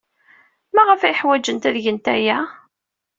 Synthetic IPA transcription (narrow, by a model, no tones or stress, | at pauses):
mæʁəfæjəħwæd͡ʒənt̪æðʝənt̪æjæ